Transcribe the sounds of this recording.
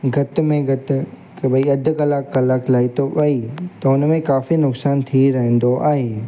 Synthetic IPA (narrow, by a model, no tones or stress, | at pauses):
ɡʱɐt̪mẽɡʱɐt̪ | kbɐiɐd̪ʱʊ̆kɐlaːkːɐlaːklaːit̪obɐit̪ɐʊnmẽkaːfinʊksaːnt̪ʰiɾɐɦə̃n̆d̪oʔaːɦeː